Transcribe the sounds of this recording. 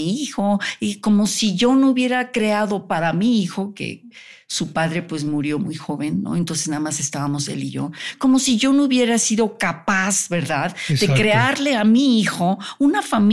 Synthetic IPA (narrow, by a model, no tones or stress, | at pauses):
ixo̞eko̞mo̞siʝo̞nouβje̞ɾakɾe̞aðo̞paɾamiixo̞ke̞̰ | supaðɾe̞pwe̞smuɾjo̞mujxo̞βe̞nːo̰ent̪o̞nse̞znaðamase̞st̪aβamo̞se̞̰lḭʝo̞̰ko̞mo̞siʝo̞nouβje̞ɾasiðo̞kapazβe̞ɾðaðe̞kɾe̞aɾle̞amiixo̞unafam